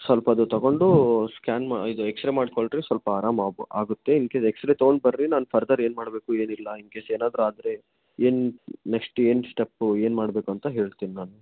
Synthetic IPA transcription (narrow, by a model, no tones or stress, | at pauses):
sʋɐlpɐːd̪ut̪ɐɡo̞ɳɖuskʲaːnmid̪ueksɾemaːɖkoɭɖɾisʋɐlpɐaːɾaːmːaːɡut̪ːe̞iŋkeeksɾet̪ɐoɡoɳɖ̚bɐɾɾinaːnupʰɐɾd̪ɐɾe̞ːnmaːɽbeːkue̞ːnilːɐiŋkeːseːnaːd̪ɾuaːd̪ɾe̞ | eːnneksʈeːnsʈepːeːnmaːɽbe̞ːkuɐnt̪ɐɦe̞ːɭt̪iːninaːnu